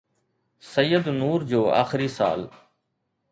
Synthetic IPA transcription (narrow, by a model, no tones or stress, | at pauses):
səjːəd̪nuːɾd͡ʑoːa̰ːxɪɾiːsa̰ːl